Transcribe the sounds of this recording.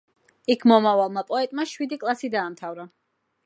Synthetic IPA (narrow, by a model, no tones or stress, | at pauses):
ikʰmɔmavalˠmapʼɔɛt̪ʼmaʃwid̪ikʼlˠasid̪aːmt̪ʰavɾa